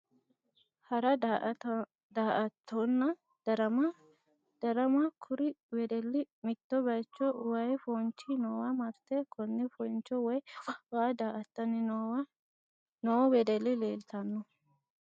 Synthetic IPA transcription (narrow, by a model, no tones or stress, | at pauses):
hɐɾɐ | d̪aːʔɐt̪ʰːɔnːɐ | d̪̥ɐɾɐmɐ | d̪̥ɐɾɐmɐkʰʊɾɪwɛd̪ɛlːɪmɪt̪ːɔbɐjt͡ʃːɔʔʊwɐjfɔnt͡ʃːɪnɔwɐmɐɾt̪ekʰɔnːɛfɔjnt͡ʃːɔwɔjwaːd̪aːʔɐt̪ːɐnːɪ | noːwɛd̪ɛlːɪleːlt̪ɐnːɔ